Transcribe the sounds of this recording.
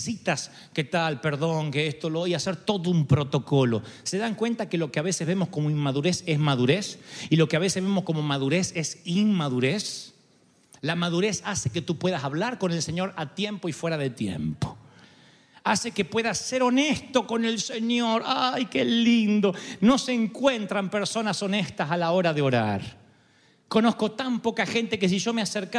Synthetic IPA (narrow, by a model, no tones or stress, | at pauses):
sit̪as | ke̞t̪alpe̞ɾðo̞ŋkeest̪olojase̞ɾt̪o̞ðoumpɾo̞t̪o̞ko̞lo̞seðaŋkwe̞nt̪akelo̞keaβ̞e̞sezβemo̞sko̞moiŋmaðuɾe̞se̞zmaðuɾe̞silo̞keaβese̞zβemo̞sko̞mo̞maðuɾesesiŋmaðuɾes | lamaðuɾe̞saseke̞t̪upwe̞ðasaβlaɾko̞ne̞lse̞ɲo̞ɾat̪je̞mpo̞ifwe̞ɾaðet̪je̞̰mpo̥ | ase̞ke̞pwe̞ðasse̞ɾo̞nest̪o̞ko̞ne̞lseɲo̞ɾajkelind̪ono̞seŋkwe̞nt̪ɾampe̞ɾso̞naso̞ne̞st̪asalao̞ɾaðeo̞ɾa̰ɾ | ko̞no̞sko̞t̪ampo̞kaxe̞nt̪e̞kes̬iʒo̞measeɾka